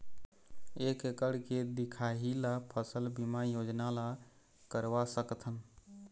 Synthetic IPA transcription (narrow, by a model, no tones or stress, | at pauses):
ekekəɽked̪ɪkʰaɦilapʰəsəlbimajod͡ʒnala | kəɾwasəkt̪ʰən